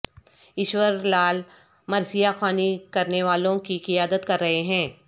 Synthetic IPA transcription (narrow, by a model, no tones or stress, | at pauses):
ɪʃwəɾlaːl | mɐɾsijaxaːnikɐɾneʋaːlõkikɪjaːd̪ət̪kɐɾːɐɦeɦɛ̃ː